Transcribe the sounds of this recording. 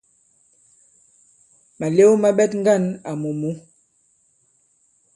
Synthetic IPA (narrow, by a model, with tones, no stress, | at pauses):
ma˨le˦wma˦ɓɛ˦tŋ˦ɡa˦˨na˨mo˨mu˦